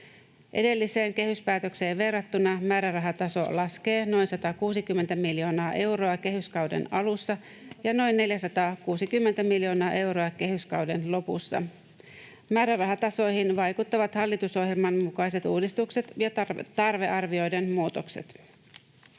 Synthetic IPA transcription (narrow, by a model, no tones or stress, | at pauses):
ʔe̞̰de̞lːise̞ːŋk̟e̞hyspæːt̪økse̞ːʋʋe̞rːɑt̪ːunɑmæːɾærɑɦɑt̪ɑso̞̰lɑske̞ːno̞jnsɑt̪ɑkuːsikymːent̪æmiljo̞ːnɑːʔe̞wɾo̞ɑke̞ɦyskɑwdḛnɑlusːɑ | jɑno̞jnːe̞ljæsɑt̪ɑːkuːsikymːent̪æmiljo̞ːnɑːʔe̞wɾo̞ɑke̞ɦyskɑwde̞nlo̞pṵsːɑ̰ | mæːɾærɑɦɑt̪ɑso̞jhinʋɑjkut̪ːɑʋɑt̪hɑlːit̪uso̞hjelmɑmmukɑjs̬e̞t̪uːdist̪ukse̞t̪jɑt̪ɑrʋe̞ʔɑrʋio̞jde̞nmuːt̪o̞ksḛt̪